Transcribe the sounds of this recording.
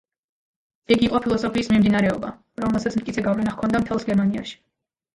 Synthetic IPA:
ɛɡiqʼɔpʰilˠɔsɔpʰiːsmimd̪inaɾɛɔba | ɾɔmɛlˠsat̪sʰmt̪kʼit̪sʰɛɡavlɛnaχkʰɔnd̪amt̪ʰɛlˠsɡɛɾmania̰ʃi̥

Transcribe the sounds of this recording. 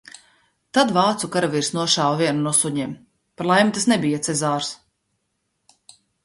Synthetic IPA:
t̪ad̪vaːt̪sukaɾaviːɾsnuɔʃaːwviɛnunɔsuɲiːm | paɾlˠajmit̪asnɛbijat̪sɛzaːɾs

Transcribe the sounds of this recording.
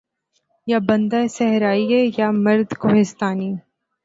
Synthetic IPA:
jabɐ̃nd̪aesɛɦɾaːiɛjamɐɾd̪koɦɪst̪aːniː

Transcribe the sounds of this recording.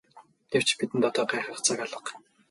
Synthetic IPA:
ɡew̥t͡ɕpit̪ɘ̆nt̪ɔt̪œːɢæːχɾə̆χt͡saːkaɮə̆q

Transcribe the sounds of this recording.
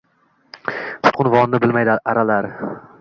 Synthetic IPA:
t̪ʰʊ̥t̪̚qʰʊnvɒnnɪbɪlmajd̪ɪaɾalaɾ

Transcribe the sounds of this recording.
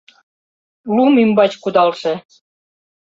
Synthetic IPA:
lumimbɑt͡ɕkud̪ɑlʃĕ

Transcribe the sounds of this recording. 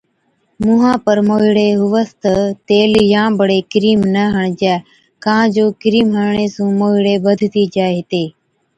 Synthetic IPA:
mʊɦãːpəɾmoːɦɪɽeːɦʊʋəst̪ət̪eːljãːbəɽeːkɪɾiːmnəɦəɳd͡ʒɛː | kãːd͡ʒoːkɪɾiːmɦəɳɳeːsũːmoːɦɪɽeːbəd̪ʱt̪iːd͡ʒaːeɦɪt̪eː

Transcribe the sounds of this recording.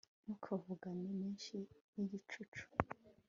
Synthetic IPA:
nukʰavuɡanimiːnʃiniɟit͡ʃut͡ʃu̥

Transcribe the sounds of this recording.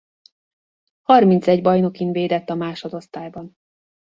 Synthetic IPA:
hɒrmint̪sɛɟbɒjno̞kinveːd̪ɛt̪ːɒmaːʃod̪o̞st̪aːjbɒn

